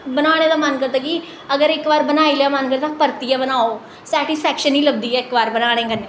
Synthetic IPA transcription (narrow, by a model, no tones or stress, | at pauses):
bənaːɽ̃eːd̪aːmənkəɾd̪aːki | əɡəɾɪkʋaːɾbənaːiːlejaːmənkəɾt̪ãpəɾt̪ijɛːbənaːoː | sɛːʈɪspʰɛːkʃənːĩːləb̚d̪iːɛːɪkbaːɾbənaːɽ̃ẽːɡənːe